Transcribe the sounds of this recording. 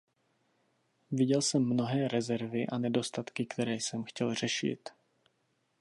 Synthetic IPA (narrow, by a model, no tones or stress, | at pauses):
vɪɟɛlsɛmːno̞ɦɛːɾɛzɛɾvɪʔanɛdo̞st̪at̪kɪkt̪ɛɾɛːjsɛmxcɛlr̝̥ɛʃɪ̰t̪